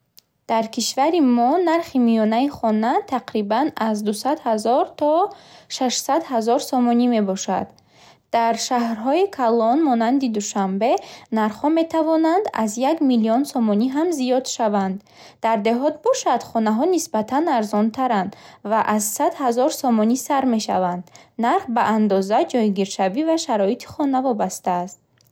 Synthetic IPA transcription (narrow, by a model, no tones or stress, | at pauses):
d̪̥aɾkʰiʃvaɾimɔnaɾχimijɔnaiχɔnat̪ʰaqɾibanazd̪usad̪hazɔɾt̪ʰɔʃaʃsad̪hazɔɾsɔmɔnime̞bɔʃa̰d̪̥ | d̪̥aɾʃaɦɾɦɔikʰalɔnmɔnand̪id̪uʃambe̞naɾχɔme̞t̪ʰavɔnand̪a̰zjaɡmiliɔnsɔmɔniɦamzijɔd̪ʃavand̪ː | aɾd̪e̞ɦɔt̪̚bɔʃad̪χɔnaɦɔnisbat̪ʰanaɾzɔnt̪ʰaɾand̪vaʔazsad̪hazɔɾsɔmɔnisaɾme̞ʃa̰vand̪naɾχbaʔand̪ɔzad͡ʒɔjɡiɾʃavivaʃaɾɔit̪ʰi̥χɔnavɔbast̪aːst̪̚